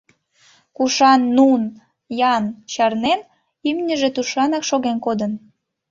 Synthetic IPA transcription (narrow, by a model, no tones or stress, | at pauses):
kuʃɑnːun | jɑnt͡ɕɑrnen | ymnʲəʒet̪uʃɑnɑkʃoɣenkod̪ən